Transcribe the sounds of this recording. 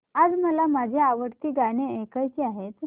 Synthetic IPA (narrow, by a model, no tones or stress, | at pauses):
ad͡zməlamad͡zʱeaʋəɽt̪iːɡaɽ̃eekəjkiaɦet̪